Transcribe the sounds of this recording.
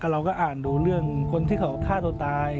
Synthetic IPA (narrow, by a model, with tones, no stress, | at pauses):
kʰa˧˩ɾa˧wkɔː˥˩ʔaː˨˩nduː˧ɾɯ˥˩əŋkʰo˧nt̪ʰiː˥˩kʰa˧˦wkʰaː˥˩t̪uː˧t̪aː˧j